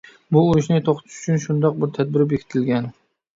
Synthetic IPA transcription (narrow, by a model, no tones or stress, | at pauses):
bʊːɾʊʃnɪt̪ʰoqt̪ʰɪ̥ʃʊ̥t͡ʃʰʊnʃʊnd̪ɒq̚bɪɾt̪ʰad̪̚bɪɾɪp̬jekʰʲɪ̥t̪ʰɪlɡʲan